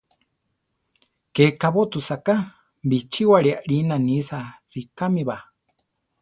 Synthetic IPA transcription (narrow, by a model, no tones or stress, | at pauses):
kekaβot̪usaka | bit͡ʃiwaɺiaʔɺinanisarikamiβa